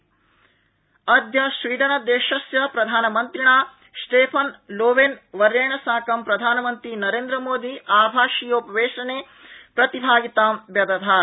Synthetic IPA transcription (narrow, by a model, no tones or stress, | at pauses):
ɐd̪jɐsʋiːɖ̪ɐnɐd̪eːʃɐsjɐpɾɐd̪ʱaːnɐmɐnt̪ɾiɳaː | sʈeːpʰɐnloːʋeːnʋɐɾjeːɳɐsaːkɐmpɾɐd̪ʱaːnɐmɐnt̪ɾinɐɾeːnd̪ɾɐmoːd̪iʔaːbʱaːʃijɐupɐʋeːʃɐneː | pɾɐt̪ibʱaːɡit̪aːmbjɐd̪ɐd̪ʱaː